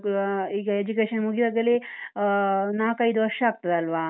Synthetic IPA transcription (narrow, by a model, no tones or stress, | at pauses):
iːɡɐed͡ʒukeːʃɐnmuɡid̪aːɡɐle | naːkɐjd̪uʋɐɾʂɐaːɡ̚t̪ɐd̪eɐlʋaː